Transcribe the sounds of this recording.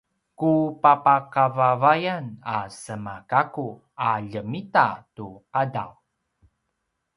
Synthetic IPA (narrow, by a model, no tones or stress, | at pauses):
kupapakavavajanasəmakaku | aʎəmitatuqada̰w